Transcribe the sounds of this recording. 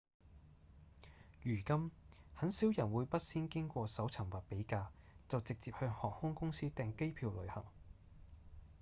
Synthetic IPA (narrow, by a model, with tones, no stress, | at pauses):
jyː˨˩kɐ˥mhɐ˨˥nsiː˨˥wjɐ˨˩nwuː˨˧jpɐ˥t̚siː˥nkɪ˥ŋkʷɔː˧sɐ˨˥wt͡sʰɐ˨˩ŋwaː˨t̚pe˨˥jkaː˧ | t͡sɐ˨wt͡sɪ˨k̚t͡siː˨p̚hœː˧ŋhɔː˨˩k̚hʊ˥ŋkʊ˥ŋsiː˥t̪ɛː˨˧ŋke˥jpʰiː˧wlɵ˨˧ɥhɐ̰˨˩ŋ